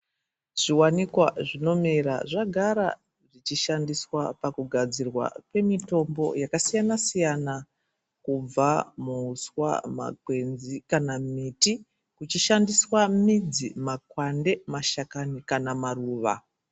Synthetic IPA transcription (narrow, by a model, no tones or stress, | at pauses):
ʐ̥iwanikwaʐino̞meɾa̰ʐaɡʱaɾa̰ | ʐit͡ʃiʃandiswapakuɡʱad͡zirwa̰pe̞mito̞mbo̞̰jakasijanasijana | kub͡vamuːswa̰ma̰kwe̞nzikanamiti | kut͡ʃiʃandiswamid͡zimakwande̞maʃakanikanamaruːʋa̰